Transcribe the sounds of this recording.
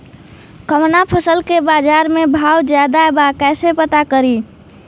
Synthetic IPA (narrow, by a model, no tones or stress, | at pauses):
kəmnapʰəsəlkebad͡ʒaɾmebʱawd͡ʒjad̪aebakɛsepət̪akəɾi